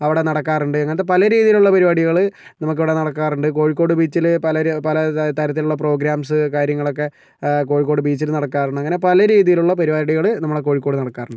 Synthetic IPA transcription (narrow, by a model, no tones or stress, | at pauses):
ɐʋiɽe̞nɐɽɐkːaːruɳɖɨɐŋːɐnɐt̪ːepɐlɐɾiːðijiluɭːɐpɐɾibaːɽiɣɐɭɨ | nɐmuk̬ːiʋiɽenɐɽɐkːaːruɳɖɨko̞ːɻik̬ːo̞ːɽɨbiːt͡ɕːilpɐlɐpɐlɐt̪ɐɾɐt̪ːiluɭːɐpro̞ːɡɾaːmsɨkaːɾjɐŋːɐɭo̞kːe̞ | ko̞ːɻik̬ːo̞ːɽɨbiːt͡ɕːilnɐɽɐkːaːruɳːɐŋːɐne̞pɐlɐɾiːðijiluɭːɐpɐɾibaːɽiɣɐɭɨnɐmːuɭeko̞ːɻikːo̞ːɽɨnɐɽɐkːaːruɳɖɨ